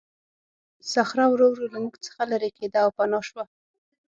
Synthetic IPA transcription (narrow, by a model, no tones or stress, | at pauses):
saxɾawɾowɾulamuɡt͡sə̥xalaɾeked̪aːwpanɑʃwa